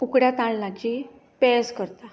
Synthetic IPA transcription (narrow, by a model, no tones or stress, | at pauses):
ukɽjat̪ãɭːat͡ɕi | pɛskəɾt̪a